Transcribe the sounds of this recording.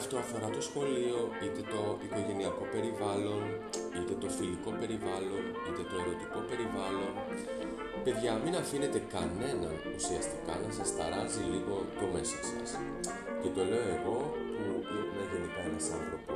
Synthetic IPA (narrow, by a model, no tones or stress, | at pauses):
ɐft̪o̞ɐfo̞ɾɐt̪o̞sxo̞lio̞it̪e̞t̪o̞ito̞ʝe̞niɐko̞pe̞ɾivɐlo̞n | it̪e̞t̪ofiliko̞pe̞ɾivɐlo̞n | it̪e̞t̪o̞eɾet̪iko̞pe̞ɾivɐlo̞n | pe̞ðʝɐminɐfine̞t̪e̞kɐne̞nɐn | ṵsiɐst̪i̥kɐ̰nensɐst̪ɐɾɐziliɣo̞t̪o̞me̞so̞sɐ̰s | ce̞t̪o̞le̞o̞e̞ɣo̞pumeʝenik̪ɐenɐsɐ̰nθɾo̞pos